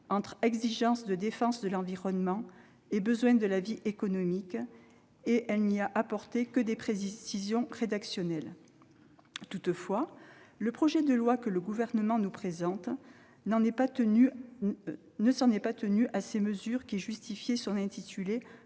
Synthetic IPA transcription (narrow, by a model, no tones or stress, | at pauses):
ɑ̃t̪χɛɡziʒɑ̃sd̪əd̪efɑ̃sd̪əlɑ̃viʁɔnmɑ̃ | ebəzwɛ̃d̪əlaviʔekɔnɔmik | eʔɛlniaʔapɔʁt̪ekəd̪epχesizjɔ̃ʁed̪aksjɔnɛl | t̪ut̪fwaləpχɔʒɛd̪əlwakələɡuvɛʁnəmɑ̃nupχezɑ̃t̪ | ɑ̃ɛ | nəsɑ̃nɛpat̪ənyʔaseməzyʁkʲiʒyst̪ifjesɔ̃nɛ̃t̪it̪ʰyle